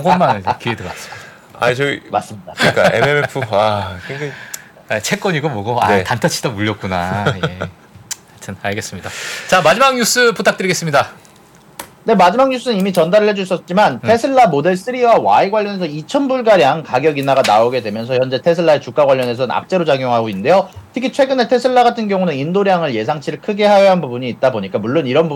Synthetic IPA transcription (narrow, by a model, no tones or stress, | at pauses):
oɡʌnmanɯkʰiedea̰s͈ɯ̥i | a̰it͡ɕʌɡimas͈ɯmɲidakik͈a̰emeepʰuakʰee | at͡ɕʰe̞k͈ʌɲiɡomʌɡoa̰tantʰat͡ɕʰi̥d̥ʌmuʎːʌk̚k͈unaj | atʰɯnaɭɡe̞s͈ɯmɲidat͡ɕamad͡ʑimaŋɲus͈ɯputʰak̚t͈ɯɾiɡe̞s͈ɯmɲida | ne̞mad͡ʑimaŋɲus͈ɯnɯnimit͡ɕʌndaɾɯɭɦe̞d͡ʑus͈ʌt̚t͡ɕ͈imantʰe̞sʰɯɭːamode̞ɭs͈ɯɾiwawa̰iɡwaʎjːʌne̞sʰʌit͡ɕʰʌnbuɭɡaɾjaŋkaɡjʌɡinaɡanaoɡe̞dwe̞mjʌnsʰʌçjʌnd͡ʑe̞tʰe̞sʰɯɭːaet͡ɕuk͈aɡwaʎːʌne̞s̬ʰʌna̰p̚t͡ɕ͈e̞ɾot͡ɕaɡjoŋɦaɡoinde̞jotʰɯ̥kʰit͡ɕʰwe̞ɡɯne̞tʰe̞sʰɯɭːaɡatʰɯnɡjʌŋunɯnindoɾjaŋɯɭje̞sʰaŋt͡ɕʰiɾɯɭkʰɯɡe̞ɦajʌɦanbubuɲiːt̚t͈aboɲik͈amuɭːoniɾʌnbu